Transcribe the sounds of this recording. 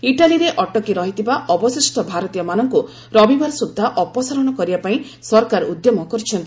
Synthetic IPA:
iʈaliɾeʔɔʈɔkiɾɔɦit̪ʰibaʔɔbɔsisʈɔbʱaɾɔt̪ijɔmanɔŋku | ɾɔbʱibaɾɔsud̪ʱːaʔɔpɔsaɾɔɽ̃ɔkɔɾibapaĩ | sɔɾkaɾud̪jɔmɔkɔɾt͡ʃʰɔnt̪i

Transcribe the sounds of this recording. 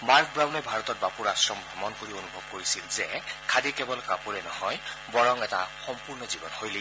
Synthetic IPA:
maɹk̚ʰbɹawnɛbʱaɹɔtɔt̚bapuɹasɹɔmbʱɔmɔnkoɹionubʱɔb̚koɹisilzɛkʰadikɛbɔlkapuɹɛnɔhɔj | bɔɹɔŋɛta̰xɔmpuɹnɔzibɔnhojle

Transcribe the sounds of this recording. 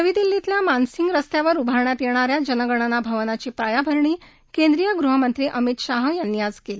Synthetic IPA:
nəʋiːd̪ilːit̪ljamansiŋɡɾəst̪jaʋəɾubʱaɾɳjat̪jeɽ̃aɾjad͡ʑənəɡəɳ̃anabʱəʋnat͡ɕiːpɾajabʱəɾɳiː | kend̪ɾijəɡɾuɦəmənt̪ɾiːʔəmit̪ɕaɦəjanjad͡zkel

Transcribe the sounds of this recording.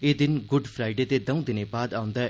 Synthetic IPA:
ed̪ɪnɡʊɖpʰɾaːɪɖet̪ed̪ɐ̃ũd̪ɪnebaːd̪aːʊ̃nd̪aɛ

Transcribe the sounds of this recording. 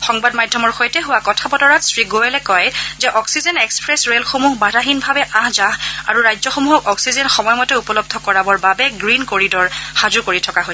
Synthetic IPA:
xɔŋbadmadʱːɔmɔɹxojtɛɦʊwakɔtʰabɔdɔɹatsɹiɡoɛlɛkɔjzɛʔɔksizɛnekspɹɛsɹelxomuɦbadʱaɦinbʱabɛʔãɦzaɦa̰ɹuɹajzɔxomuɦɔkɔksizɛnxɔmɔjmɔtɛupɔlɔb̚d̪ʱɔkɔɹabɔɹbabɛɡɹinkoɹidɔɹhazukoɹitʰɔkaɦo

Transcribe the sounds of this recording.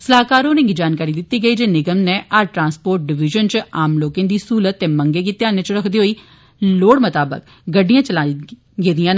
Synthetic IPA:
səlaːɦkaːɾõːnẽŋɡid͡ʒaːnkaːɾiːd̪ɪt̪ːiːɡəiːd͡ʒeːnɪɡəmneːʔaːɾʈɾãːnspoːɾʈ̚ɖɪʋɪʒənt͡ʃaːmloːkẽːnd̪iːsuːlət̪ːeːməŋɡeːk̬it̪ːeaːnẽːt͡ʃəɾəkʰd̪iːɦoːiː | loːɽmət̪aːbə̰k | ɡəɖːijãːt͡ʃəlaː | ɡeːd̪ijãːn

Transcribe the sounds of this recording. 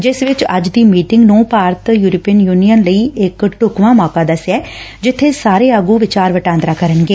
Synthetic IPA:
d͡ʒɪsʋɪt͡ʃəd͡ʒd̪iːmiːʈɪŋɡnũːpaːɾt̪juːɾoːpiənjuːnijənləiːɪkʈʊkʋãːmɔːkaːd̪əsɛː | d͡ʒɪt̪ʰːeːsaːɾeːəɡuːʋɪt͡ʃaːɾʋəʈãːnd̪ɾaːkəɾənɡeː

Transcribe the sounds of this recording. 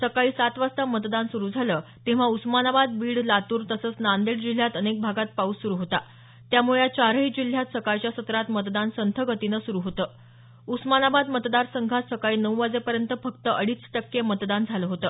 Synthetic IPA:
səkaɭiːsat̪ʋast̪amət̪d̪ansuɾud͡zʱalət̪ẽʋ̤ausmanabad̪̚biːɽlat̪uːɾt̪əsəːt͡snand̪eɽd͡ʑil̤jat̪ənek̚bʱaɡat̪̚pauːsuɾuɦot̪a | t̪jamuɭet͡ɕaɾɦiːd͡ʑil̤jat̪səkajt͡ɕjasət̪ɾat̪mət̪d̪ansənt̪ʰəɡət̪inəsuɾuɦot̪əː | usmanabad̪mət̪d̪aɾsəŋɡʱat̪səkaiːnəwʋad͡zepəɾjənt̪əfəkt̪əʔəɽiːt͡sʈəkːemət̪d̪and͡zʱaləɦot̪əː

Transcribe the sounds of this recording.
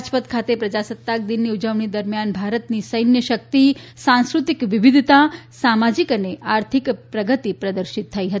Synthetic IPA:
d͡ʒpət̪kʰat̪epɾəd͡ʒasət̪ːak̚d̪inːiud͡ʒəʋɳid̪əɾmjanbʱaɾət̪nisəjnjəʃək̚t̪isãnskɾut̪ikʋɪʋid̪ʱt̪asamad͡ʒikəneʔaɾt̪ʰikpɾəɡət̪ipɾəd̪əɾʃit̪ʰːəiɦət̪i

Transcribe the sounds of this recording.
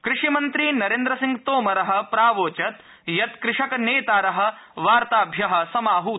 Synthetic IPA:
kɾɪʂimɐnt̪ɾiːnɐɾeːnd̪ɾɐsiŋɡt̪oːmɐɾɐɦɐ̆pɾaːʋoːt͡ʃɐt̪ | jɐt̪kɾɪʂɐkɐneːt̪aːɾɐɦɐ̆ | ʋaːɾt̪aːbʱjɐɦɐ̆sɐmaːɦu

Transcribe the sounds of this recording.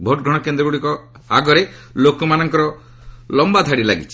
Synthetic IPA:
bʱoʈ̚ɡʱɔɽ̃ɔkend̪ɾɔɡuɽikɔ | aɡɔɾelokɔmanɔŋkɔɾɔ | lɔmbad̪ʱaɽilaɡḭt͡ʃʰi̥

